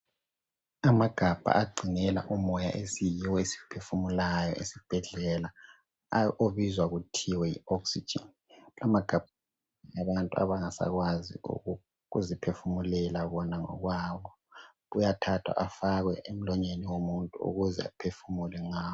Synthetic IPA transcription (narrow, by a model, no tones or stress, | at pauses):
amaɡ̥ʱab̥ʱa̰ʔaɡ͡ǀʱinɛla̰ʔumɔja̰ʔesijiwɔesi̥pʰefumulajɔ̰ʔesib̥ʱɛɮɛla | oβizwaɣutʰiwɛjḭɔksi̥d͡ʒ̥ḭn | lʔamaɡ̥ʱab̥̚ʱ | aβantʼua̰βaŋasa̰ɣwazḭṵɣu | ɣuzipʰefumulɛlaɣɔnaŋɔ̰ɣwaːβɔ | ujatʰatʰwa̰ʔafaɣwɛʔem̩lɔɲeniwomuntʼuṵɣuzɛ̰a̰pʰefumulɛŋaː